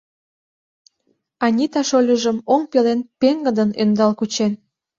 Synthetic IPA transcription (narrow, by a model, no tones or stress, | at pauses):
ɑnʲit̪ɑʃolʲəʒəmoŋpelenpeŋɡə̆d̪ənønd̪ɑlkut͡ɕen